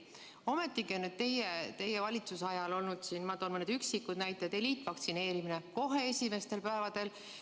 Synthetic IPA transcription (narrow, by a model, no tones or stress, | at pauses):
o̞me̞t̪ˑːikionyd̪̥̚t̪e̞jet̪e̞jevɑlʲit̪susɑjɑlo̞lnud̪̥sinmɑd̪onmɤned̪yksikːud̪̥næjt̪ːˑed̪̥eliːt̪ːˑvɑkt̪sine̞ːɾimine̞ko̞ɦe̞esʲime̞st̪e̞lpæevɑd̪̥e̞l